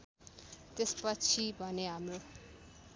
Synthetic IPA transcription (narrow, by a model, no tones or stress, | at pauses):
t̪espʌt͡sʰibʱʌneɦamro